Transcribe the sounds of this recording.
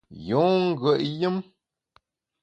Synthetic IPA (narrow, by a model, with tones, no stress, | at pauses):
jo˨˦ŋ̩˦ɡə˨ʔjɨ˦m